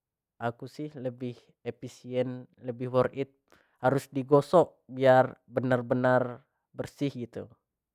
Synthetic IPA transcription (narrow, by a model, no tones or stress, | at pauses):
ʔakusɪhləbɪh | episiɛnləbɪhwɔrʔit̪̚ | haɾusdiɡosɔʔbiarbənarbənar | bərsɪhɡit̪u